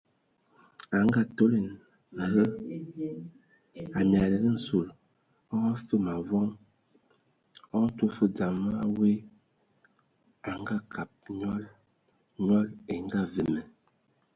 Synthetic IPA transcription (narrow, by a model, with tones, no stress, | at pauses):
a˨ŋ˦ɡa˦to˦le˨n˨ | ɦə˦ | a˨m˨a˨lə˨lə˦n̩˨su˨l | ɔ˦ɣɔ˦fə˦ma˨vɔ˦ŋ | ɔ˦to˦fə˦d͡za˨ma˦a˦we˦ | a˨ŋ˦ɡa˦ka˨p̚ɲɔ˦l | ɲwɔ˦le˨ŋ˦ɡa˦və˨mə˨